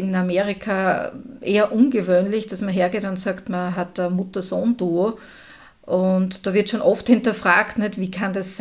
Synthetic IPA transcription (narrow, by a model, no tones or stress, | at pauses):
ɪnameːʁɪkʰaʔeːɐʔʊnɡəvøːnlɪçd̥asmɐɦeːɐɡeːtʊntsaktmɐɦatd̥əmʊtɐsoːnd̥uː | ʔʊntd̥oːvɪɐtʃoːnʔɔfthɪntɐfʁ̥aːktnɛtviːkʰandass